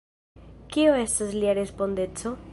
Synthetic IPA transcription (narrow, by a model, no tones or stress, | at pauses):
kioe̞stasliaɾe̞spo̞nde̞t͡so̞